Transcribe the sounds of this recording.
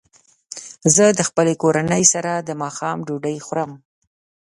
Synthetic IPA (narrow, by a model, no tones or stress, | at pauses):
zəd̪əxpəlekoɾanəjsaɾad̪əmɑxɑmɖuɖəjxɾəm